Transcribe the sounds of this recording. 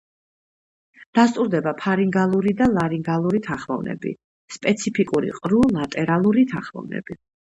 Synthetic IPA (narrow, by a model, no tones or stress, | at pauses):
d̪̥ast̪ʼuɾd̪ɛbapʰaɾiŋɡalˠuɾid̪alˠaɾiŋɡalˠuɾit̪ʰaχmɔvnɛ̰bḭ | spʼɛt̪sʰipʰikʼuɾḭqʼɾulˠat̪ʼɛɾalˠuɾit̪ʰaχmɔ̰vnɛ̰b̥i